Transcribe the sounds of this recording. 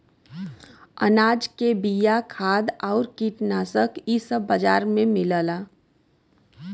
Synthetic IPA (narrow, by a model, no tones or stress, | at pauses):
ə̰naːd͡ʒkebijakʰaːd̪ɔːʊɾkiːʈnaːsəkʰisəbːəd͡ʒaːɾmẽmɪləlaː